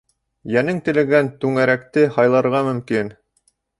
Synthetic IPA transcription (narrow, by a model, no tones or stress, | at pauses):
jænɘŋt̪ɘ̆lɘ̆ɡænt̪ʉŋæɾækt̪ɘhɑjlˠɑɾʁɑmɵ̆mkin